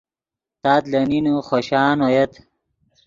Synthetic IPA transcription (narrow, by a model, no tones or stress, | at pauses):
t̪aːt̪lɐninuχoɕaːnojet̪